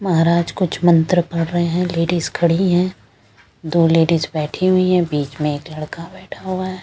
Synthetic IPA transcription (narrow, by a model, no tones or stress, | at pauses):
mɐɦaːɾaːd͡ʒkʊt͡ʃʰmɐ̃nt̪ɾəpɐɽɾəɦeɦɛ̃leːɖiːzkʰɐɽiɦɛ̃ː | d̪oːleːɖiːzbɛːʈʰiɦuiɦɛ̃biːt͡ʃmẽeːklɐɽkabɛːʈʰaɦuaɦɛː